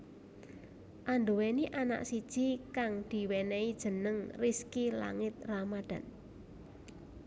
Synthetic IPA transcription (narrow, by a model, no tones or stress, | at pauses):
ʔand̪oweniʔana̰ʔsid̥ʒ̥ikaŋd̪̥i̤wɛnɛid̥ʒ̥ə̤nəŋriskila̰ŋɪt̪̚ramad̪̥ä̤n